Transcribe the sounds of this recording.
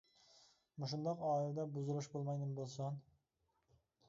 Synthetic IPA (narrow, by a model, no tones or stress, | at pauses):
muʃund̪ɑqɑːild̪ɛbuzulˠuʃbolˠmɑjd̪ɨmbolˠsɑn